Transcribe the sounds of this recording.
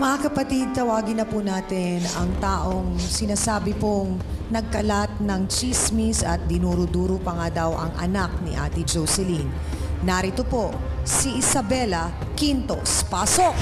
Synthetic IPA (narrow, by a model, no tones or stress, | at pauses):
mɐŋakɐpɐt̪id̪̚t̪ɐwaːɡɪnɐpunaːt̪ɪnɐŋt̪aːʔoŋsɪnaːsaːbɪpoŋ | nɐɡ̚kɐlat̪̚nɐŋt͡ʃismisɐ̰t̪̚d̪ɪnuɾʊd̪uːɾʊpɐŋad̪ɐwʔɐŋʔɐ̰nak̚nɪ̰ʔa̰ːt̪id͡ʒowsɛlinː | aɾɪt̪opo̞siʔɪsɐbɛlɐ | kint̪ospaːsok̚